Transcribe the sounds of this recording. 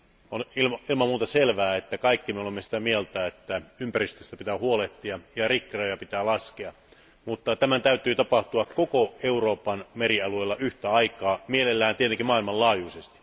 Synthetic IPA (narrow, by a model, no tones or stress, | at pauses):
onilmilmɑmuːt̪ɑselʋæːet̪ːækɑikːimeolemːesi̥t̪æmielt̪æet̪ːæympærist̪øst̪æpit̪æːhuoleht̪ːiɑjɑrikreojɑpit̪æːlɑskeɑ | mut̪ːɑt̪æmænt̪æyt̪ˑyːt̪ɑpɑht̪uɑkkokoeuroːpɑnmeriɑlueːlːɑyht̪æɑikɑːmielelːæːnt̪iet̪eŋkimɑːˑilmɑllɑːjusest̪i̥